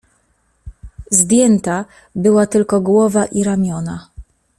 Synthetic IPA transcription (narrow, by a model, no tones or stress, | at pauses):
zd̪ʲjɛnt̪a | bɘwat̪ɘlkɔɡwɔvaʔiɾamʲjɔna